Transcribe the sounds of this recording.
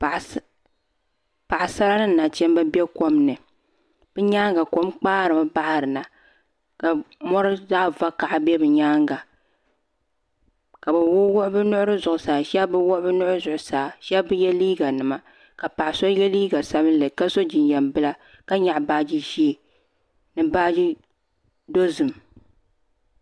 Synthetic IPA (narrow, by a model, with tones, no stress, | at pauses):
pa˨ʔa˨sa˦la˦nɨ˦˨na˨t͡ʃɛ˦m˦bɨ˦bɛ˦ko˦mnɨ˨ | b̥ɨ˦ɲaː˦ŋɡa˨ko˦mk͡paː˦ɾɨ˨ma˦ba˦ha˨ɾɨ˨na˨ | ka˨mɔ˦ɾɨ˦zaː˦va˦ka˨ʔbɛ˦bɨ˨ɲaː˦ŋɡa˨ | ka˨bɨ˨wʊ˦wʊ˦ʔʊ˦bɨ˦nʊ˦ʔʊ˦ɾɨ˦zʊ˨ʔʊ˨saː˨ʃɛ˦bɨ˦wʊ˦ʔbɨ˦nʊ˦ʔʊ˦ɨ˦zʊ˨ʔʊ˨saː˨ʃɛ˦bɨ˦jɛ˦liː˦ɡa˨nɨ˨ma˨ | ka˨pa˨ʔso˦jɛ˦liː˦ɡa˨sa˦bɨ˦n˦lɨ˨ka˦so˦d͡ʒɪ˨njɛ˨mbɨ˦la˦ | ka˦ɲa˨ʔbaː˦d͡ʒi˦ʒi˦e˨ | nɨ˦baː˦d͡ʒi˦ | do˦zɨ˨m